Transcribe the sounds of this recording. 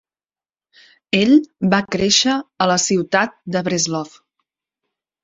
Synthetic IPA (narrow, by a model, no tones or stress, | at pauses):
eʎβakɾeʃəːləsiwt̪at̪̚d̪əβɾezlɔf